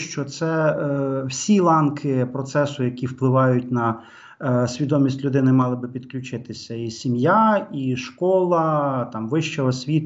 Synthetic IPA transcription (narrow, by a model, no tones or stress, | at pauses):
ʃt͡ʃɔt̪sɛ | wsʲilˠɑnkʰɪpɾɔt̪sɛsʊjɐkʲiwplˠɪʋɑjʊtʲnɐ | sʲʋʲid̪ɔmʲisʲtʲlʲʊd̪ɪnɪmɑlˠɪbɪpʲid̪klʲʊt͡ʃɪt̪ɪsʲɐisʲimjaiʃkɔlˠɐt̪ɑmʋɪʃt͡ʃɛɔsʲʋʲit̪